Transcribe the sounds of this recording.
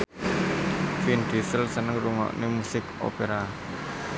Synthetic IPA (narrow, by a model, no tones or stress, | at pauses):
find̪̥isəlsənəŋruŋɔ̰ʔnemusɪko̰peɾa